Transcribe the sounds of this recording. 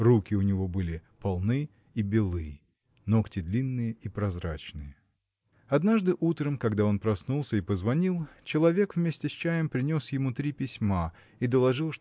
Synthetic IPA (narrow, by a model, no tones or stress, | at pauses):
rukʲɪʊnʲɪvo̞bɨlʲɪpɐlˠnɨ | ibʲɪlˠɨj | no̞ktʲɪd̪lʲinːɨjəipɾɐzɾat͡ɕnɨjə | ɐd̪naʐd̪ɨʔut̪ɾəmkɐɡd̪ao̞npɾɐsnulˠsʲəipəzvɐnʲilˠt͡ɕɪlˠɐvʲe̞kvmʲesʲtʲɪsʲt͡ɕæjəmpɾʲɪnʲo̞sjɪmut̪ɾʲipʲɪsʲma | id̪əlˠɐʐɨlˠʂ